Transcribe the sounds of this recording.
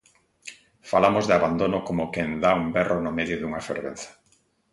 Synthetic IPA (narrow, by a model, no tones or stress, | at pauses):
falamozðeaβand̪onokomʊkend̪aumbɛronomeðjoðuŋafḛɾβḛn̟θḁ